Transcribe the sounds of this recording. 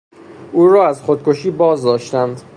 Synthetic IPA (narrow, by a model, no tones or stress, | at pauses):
ʔuːɾɒːæzxod̪̚kʰoʃiːbɒːzd̪ɒːʃt̪ænd̪